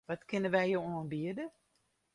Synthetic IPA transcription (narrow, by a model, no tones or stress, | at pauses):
ʋɔtkɪnəʋɛjjowoənbiədə